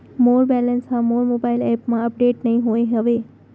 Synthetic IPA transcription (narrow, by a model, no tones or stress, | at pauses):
moːɾbɛlənsɦãmoːɾmobailɛpmãəp̚ɖeʈnəɦĩɦoeɦəʋe